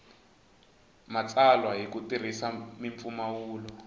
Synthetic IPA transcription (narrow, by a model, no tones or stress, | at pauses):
mat͡sʼalwaɦikutir̤isamiɱfumawuːlɔ